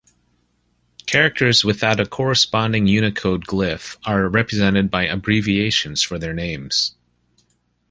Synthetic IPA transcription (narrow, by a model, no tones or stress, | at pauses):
kʰɛɹɨk̚tʰə˞zwɨθaʊɾɨkʰɔɹɨspɑ̃ndɪ̃ŋjʉnɨkʰoʊd̚ɡlɪfə˞ɹɛpɹɨzɛ̃ɾ̃ɨd̚baɪʔɨbɹivieɪʃɨ̃n̩z̥fə˞ðə˞nẽɪ̃mz̥